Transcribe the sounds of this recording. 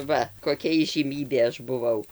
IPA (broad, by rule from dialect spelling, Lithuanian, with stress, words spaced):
ˈʋɐ koːˈkʲɛ iːʒʲiːˈmʲiːbʲeː ˈɐʃ bʊˈʋɐʊ